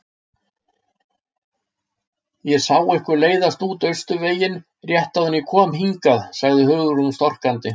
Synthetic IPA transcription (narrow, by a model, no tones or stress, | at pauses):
jɛsaːwɛhkʏɾleːjðast̪uːt̪œɥst̪ʏveːjɪn | rjɛht̪awðʏnːɪkʰɔːmhiŋkaðsaɣðɪɦœːɣʏɾʏmst̪ɔr̥kant̪ɪ